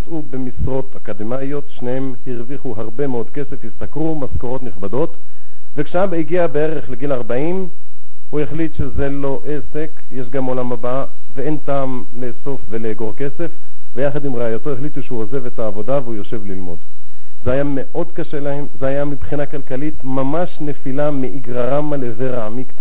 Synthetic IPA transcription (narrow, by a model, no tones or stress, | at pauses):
at͡subemisʁo̞t̪akad̪emajo̞t̪ʃnehemhiʁviχuɦaʁbe̞meo̞d̪ke̞se̞fhist̪akʁumaskoʁo̞t̪niχbado̞t̪ | vekʃeabiɡiabee̞ʁe̞χleɡilaʁbaim | hujeχlit̪ʃe̞ze̞lo̞ʔe̞se̞k | jeʃɡamo̞lamhaba | veentaːm | le̞so̞fve̞leɡo̞ʁke̞se̞f | vejaχad̪imʁeajot̪o̞eχlit̪uʃeuoze̞vet̪aːvo̞d̪aveujo̞ʃe̞vlilmo̞̰d̪ | zehajame̞ʔo̞d̪kaʃe̞lae̞mzeajamibχinakalkalitmamaʃne̞filameʔiɡʁaʁamaleveʁaamikt̪a